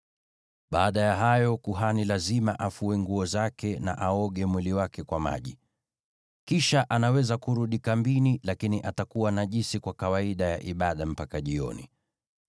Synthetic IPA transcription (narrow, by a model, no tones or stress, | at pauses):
ɓaːɗajaɦajɔkuɦanilazimaʔafuɛŋɡuɔzakɛna̰ʔaɔɠɛmwiliwakɛkwama̰ʄi | kiʃaʔanawɛzakuɾuɗikambinilakiniʔatakuwanaʄisikwakawaiɗaja̰ʔiɓaɗam̩pakaʄiɔ̰nḭ